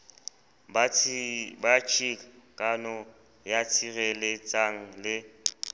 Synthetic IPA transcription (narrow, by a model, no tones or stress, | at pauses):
b | bat͡ʃʰʼikkʼanɔ | jat͡sʰirɛlet͡sʼaŋ̩lɪ